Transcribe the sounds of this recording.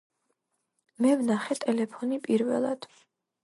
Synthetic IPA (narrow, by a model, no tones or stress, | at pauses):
mɛvnaχɛt̪ʼɛlɛpʰɔnipʼiɾvɛ̰lˠa̰d̪̥